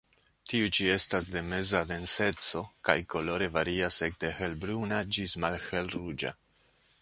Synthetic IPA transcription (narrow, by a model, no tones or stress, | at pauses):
tiut͡ʃie̞stasde̞me̞zave̞nse̞t͡so̞kajko̞lo̞ɾe̞vaɾiase̞k̚de̞he̞lbɾunad͡ʒismalhe̞lrud͡ʒa̰